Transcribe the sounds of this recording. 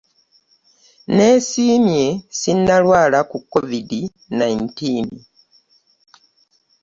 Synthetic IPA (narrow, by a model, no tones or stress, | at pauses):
ne̞siːmje̞sinːalwaːlakukːovidi | najintiːn